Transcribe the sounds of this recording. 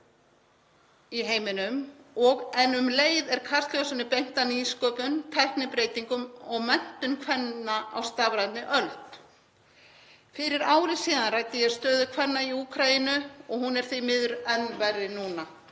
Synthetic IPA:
iɦeːjmɪnʏmɔɣɛnʏmleːjðɛɾ̥kʰar̥st̪lowsʏnɪpejŋ̥t̪aniskœːpʏnt̪ʰɛhknɪpɾeːjt̪iŋkʏmɔɣmɛn̥t̪ʏnkʰvɛnːaa̰wst̪aːvɾajt̪nɪʔœlt̪ | fɪɾɪɾaːwɾɪsiːðanrajt̪ɪjɛ̥st̪œːðʏkʰvɛnːaiuːkʰɾajinʏɔɣhunɛɾ̥θimɪðʏɾɛnːvɛrɪnuːna

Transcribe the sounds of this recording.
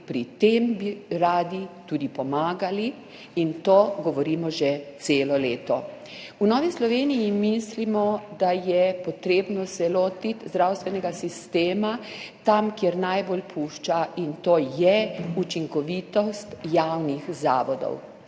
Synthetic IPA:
pɾit̪embiɾaːd̪it̪uːd̪ipɔmaːɡali | int̪oːɡɔʋɔɾiːmɔʒɛt̪seːlɔleːt̪ɔ | unɔːʋislɔʋeːnijimislimɔd̪ajɛpɔt̪ɾeːbnɔsɛlot̪it̪zd̪ɾawst̪ʋɛnɛɡasist̪eːmat̪amkjeɾnajbolpʰuːʃt͡ʃaint̪oːjɛut͡ʃiŋkɔʋiːt̪ɔst̪jawnixza̰ːʋɔd̪ɔ̰w

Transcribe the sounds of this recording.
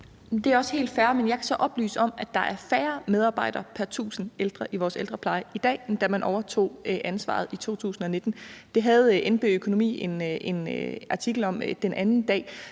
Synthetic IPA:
d̥e̝æɐɒ̽sə̥he̝̰ːld̥fæːɐmenjɑ̈ɪkʰæsɒ̽ʔɒ̽b̥ly̰ːsəɒ̽m̰æd̥ɑ̈ʔæɐfæːɐmeð̞ˠɑ̈ːb̥ɑ̈ɪ̰d̥ɐpʰæɐt͡sʰṵːsn̩eld̥ʁɐʔiʋɒːseld̥ʁɐpʰlɑ̈ɪəid̥ɛ̰ːend̥æmænʔɒʊɐt͡sʰo̝̰ːʔænsʋɑ̰̈ð̞̩ˠit͡sʰo̝̰ːt͡sʰṵːsn̩ɒ̽ne̝d̥n̩d̥e̝ɦæð̩ˠʔenb̥e̝økʰo̝no̝mḭːe̝ne̝nɑ̈t͡sʰiɡ̥l̩ɒ̽md̥enʔænn̩d̥ɛ̰ː

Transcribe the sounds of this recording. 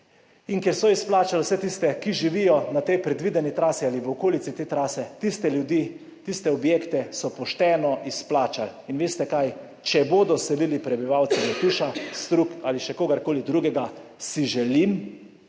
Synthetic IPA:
inkɛɾsɔisplaːt͡ʃalwsɛt̪ist̪ɛkiʒiʋiːjɔnat̪ɛjpɾɛd̪ʋiːd̪ɛnit̪ɾaːsialiʋəokoːlit̪sit̪et̪ɾaːsɛt̪ist̪ɛljud̪i | t̪ist̪ɛɔbjekt̪ɛsɔpɔʃt̪ɛːnɔʔisplaːt͡ʃalinʋeːst̪ɛkaj | t͡ʃɛboːd̪ɔsɛlilipɾɛbiʋawt̪sɛnɛt̪uʃast̪ɾukaliʃɛkoːɡaɾkoːlid̪ɾuɡɛɡasiʒɛlim

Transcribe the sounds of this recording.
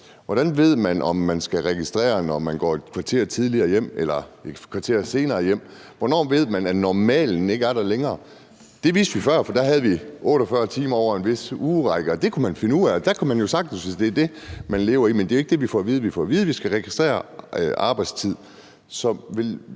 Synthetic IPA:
ʋɒɾ̥ænʋe̝ð̞̰ˠmænɒ̽mːænsɡ̥æʁɛɡ̥isd̥ʁɛ̰ːɐnɒmænɡ̥ɒ̰̥ːkʰʋɑ̈t͡sʰe̝̰ɐt͡sʰið̞ˠliɐːjem̰elɐkʰʋɑ̈t͡sʰe̝̰ɐse̝ːnɐːjem̰ | ʋɒnɒ̰ːʋe̝ð̞̰ˠmænænɒmɛ̰ːln̩e̝ɡ̥əæɐɾ̥æleŋɐː | d̥e̝ʋḭːsd̥ʋifɶɐ̰fɒ̽d̥æɦæð̞̩ˠʋiʔɔ̽ːɾ̥ɒfɶɐt͡sʰiːmɐɒʊɐe̝nʋe̝suːʁɑɡ̥əɒd̥e̝kʰumænfe̝nəuð̰ˠæɒ̽d̥ækʰumænjo̝sɑ̈ɡ̥̚n̩sʋe̝sd̥e̝æɐd̥e̝mænle̝ːʊɐimend̥e̝o̝e̝ɡ̥̚d̥e̝ʋifɒ̰ʋiːð̞̩ˠʋifɒ̰ːʋiːð̞ˠəʋisɡ̥æʁɛɡ̥isd̥ʁɛ̰ːɐʔɑ̈ːb̥ɑ̈ɪd̥st͡sʰið̞̰ˠ | sɒ̽mʋe̝l

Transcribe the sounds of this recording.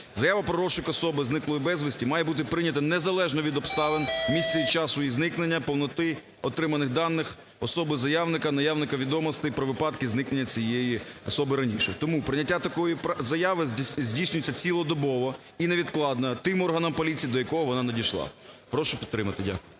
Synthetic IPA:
zɐjaʋɐpɾɔɾɔʃɪkɔsɔbɪznɪklˠɔjibɛzʋɪsʲtʲimɑjɛbut̪̬ɪpɾɪnʲɐt̪ɐnɛzɐlˠɛʒnɔʋʲid̪ɔpst̪ɑlˠɪnmʲist̪sɛʋʲid̪t͡ʃɑsʊjiznɪknenʲːɐpɔwnɔt̪ɪ | ɔt̪ɾɪmɐnɪɣd̪ɑnːɪx | ɔsɔbɪzɐjɑwnɪkɐnɐjawnɪkɐʋʲid̪ɔmɔst̪ɪpɾɔʋɪpɑt̪kɪznɪkne̞nʲːɐt͡sʲijejiɔsɔbɪɾɐnʲiʃɛ̰t̪ɔmupɾɪnʲɐtʲːat̪ɐkɔjipzɐjɑʋɪzʲdʲijsʲnʲʊjt͡sʲːɐt͡sʲilˠɔd̪ɔbɔʋɔ | ineʋʲid̪klˠɑd̪nɐt̪ɪmɔrɦɐnɐmpɔlʲit͡sʲijd̪ɔjɐkɔɦɔʋɔnɑnedʲiʃlˠɑ̰pɾɔʃʊpʲid̪t̪ːɾɪmɐt̪ɪdʲa̰kʊjʊ

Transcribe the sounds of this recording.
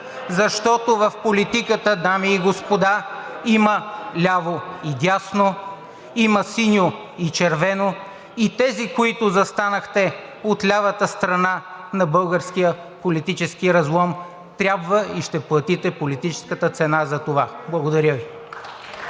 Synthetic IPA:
zɐʃt̪ɔt̪ovɐfpolit̪ikət̪əd̪amiːɡospod̪aiməlʲavoid̪ʲjasno | iməsinʲo | it͡ʃɛɾvɛno | it̪ɛzikoit̪ʊzɐst̪anəxt̪ɛ | ot̪lʲavət̪əst̪ɾɐnanɐbəlˠɡəɾskijə | polit̪it͡ʃɛsk̟iɾɐzlˠɔm | t̪ɾʲabvəiʃt̪ɛplˠɐt̪it̪ɛpolit̪it͡ʃɛ̥skət̪ət̪sɛnazɐt̪ovablˠɐɡod̪ɐɾʲəvi

